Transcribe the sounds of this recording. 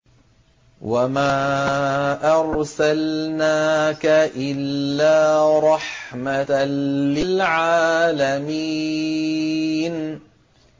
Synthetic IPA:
wamaː | ʔɑɾˤsalnaːkaʔɪlːaːɾˤɑħmalɪlʕaːlamiː | n

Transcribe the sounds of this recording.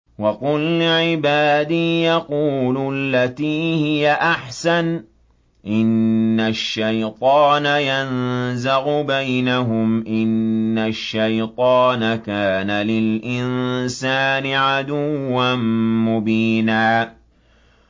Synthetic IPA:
wɑqʊlʕɪbaːd̪iːjɑquːlʊlːat̪iːhɪjaʔaħsan | ʔɪnːaʃːajt̪ˤɑːnajanzaɣʊbajnaɦʊmʔɪnːaʃːajt̪ˤɑːnakaːnalɪlʔɪnsaːnɪʕad̪ʊwːanmʊbiːnaː

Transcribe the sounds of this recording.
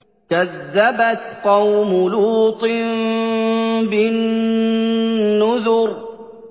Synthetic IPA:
kaðːabat̪qɑwmʊluːt̪ˤɨm | bɪn | ʊðʊɾ

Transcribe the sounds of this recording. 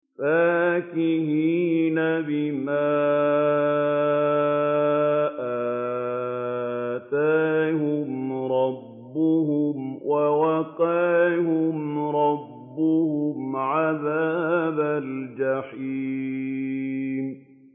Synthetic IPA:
faːkɪhiːnabɪmaː | ʔaː | t̪aːhʊmɾˤɑbːʊhʊmwʔawɑqɑːhʊmɾˤɑbːʊhʊmʕaðaːbald͡ʒaħiː | m

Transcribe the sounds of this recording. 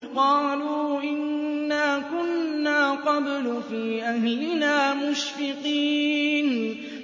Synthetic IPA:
qɑːluːʔɪnːaːkʊnːaːqɑb̪lʊfiːʔahlɪnaːmʊʃfɪqiːn

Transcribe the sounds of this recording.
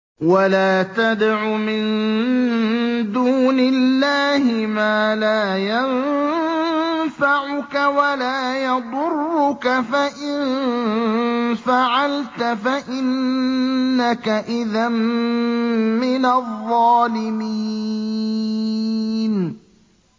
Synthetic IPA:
walaːt̪ad̪aʕumɪn | d̪uːnɪlːaːhɪmaːlaːjan | faʕʊkawalaːjɑd̪ˤʊrːʊkafaʔɪn | faʕalt̪afaʔɪnː | akaʔɪðam | ɪnaðˤːɑːlɪmi | n

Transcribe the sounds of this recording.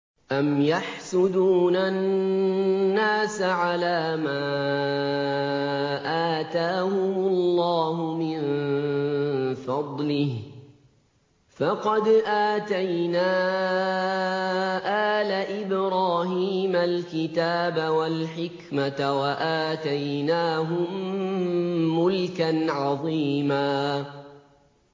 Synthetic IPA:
ʔamjaħsʊd̪uːnanː | aːsaʕalaːmaː | ʔaːt̪aːhʊmʊlːɑːɦʊmɪn | fɑd̪ˤlɪh | fɑqɑd̪ʔaːt̪ajnaː | ʔaːlaʔɪbɾɑːɦiːmalkɪt̪aːbawalħɪkmatawaʔaːt̪ajnaːɦʊm | ʊlkanʕɑðˤiːmaː

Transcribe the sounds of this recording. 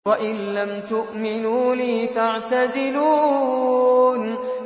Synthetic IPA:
waʔɪnlamt̪ʊʔmɪnuːliːfaʕt̪azɪluː | n

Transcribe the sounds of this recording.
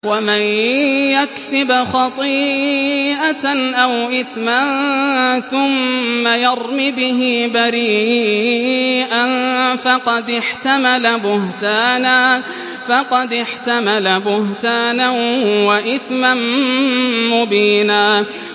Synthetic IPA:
wamanjaksɪbxɑt̪ˤiː | ʔanʔawʔɪθmanθʊmːajɑɾmibɪɦɪbaɾiː | ʔanfɑqɑd̪ɪħt̪amalabʊɦt̪aːnaː | fɑqɑd̪ɪħt̪amalabʊht̪aːnawaʔɪθman | mʊbiːnaː

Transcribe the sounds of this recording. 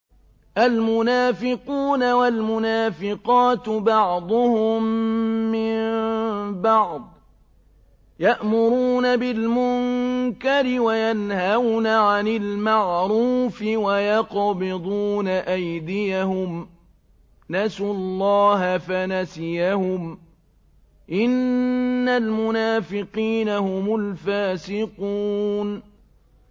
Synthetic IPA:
ʔalmʊnaːfɪquːnawalmʊnaːfɪqɑːt̪bɑʕd̪ˤʊhʊmː | ɪmbɑʕd̪ˤ | jaʔmʊɾuːnabɪlmʊŋkaɾɪwajanhawnaʕanɪlmaʕɾuːfɪwajɑqbɪd̪ˤuːnaʔajd̪ɪjahʊm | nasʊllˤːɑːɦafanasɪjahʊm | ʔɪnːalmʊnaːfɪqiːnahʊmʊlfaːsɪquːn

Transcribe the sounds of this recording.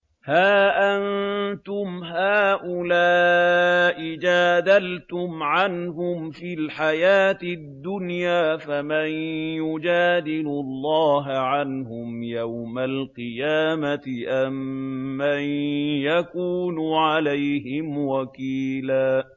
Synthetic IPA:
haːʔant̪ʊmɦaːʔʊlaː | ʔɪd͡ʒaːd̪alt̪ʊmʕanɦʊmfilħajaːt̪ɪd̪ːʊnjaːfamanjʊd͡ʒaːd̪ɪlʊlˤːɑːɦʕanɦʊmjawmalqɨjaːmat̪ɪʔamːanjakuːnʊʕalajhɪmwakiːlaː

